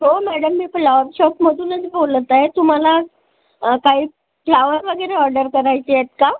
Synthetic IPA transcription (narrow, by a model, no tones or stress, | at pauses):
ɦomæɽəmːiːplaʋəɾɕɔpməd̪ʱuːnəd͡zibolət̪aɦet̪um̤ala | kaɦiː | plaʋəɾʋəɡəɾeɔɾɖəɾkəɾajt͡ɕeet̪ka